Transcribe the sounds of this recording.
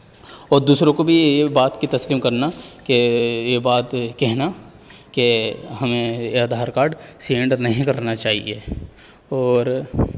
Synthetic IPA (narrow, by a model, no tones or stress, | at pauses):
ɔːɾd̪uːsɾõkobʱiebaːt̪kit̪ɐsliːmkɐɾnakejebaːt̪kɛɦna | keɦɐmẽaːd̪ʱaːɾkaːɾɖsiẽɳɖəɾnɐɦĩkɐɾnat͡ʃaːɦḭe | ɔːɾ